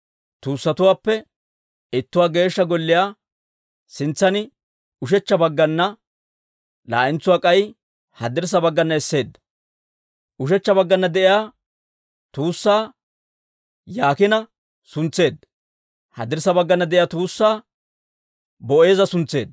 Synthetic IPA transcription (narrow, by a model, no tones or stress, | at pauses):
t̪uːsːɐt̪ʊwaːpːɛ | ɪt̪ːʊwaːɡe̞ːʃːɐɡɔlːɪjaː | sɪnt͡sːɐnɪ | ʊʃ̬ɛt͡ʃːɐbɐɡːɐnːɐ | la̰ːʔɪnt͡sːʊwaːkʼɐj | hɐd̪ɪɾs̬ɐbɐɡːɐnːɐɛsːe̞ːd̪ːɐ̥ | ʔʊʃ̬ɛt͡ʃːɐbɐɡːɐnːɐd̪ɛʔɪjaː | t̪uːsːaː | jaːkɪnɐ | sʊnt͡sːe̞ːd̪ːɐ | hɐ̰d̪ɪɾs̬ɐbɐɡːɐnːɐd̪ɛʔɪjaːt̪uːsːaː | bɔʔe̞ːzɐsʊnt͡sːe̞̰ːd̪ːɐ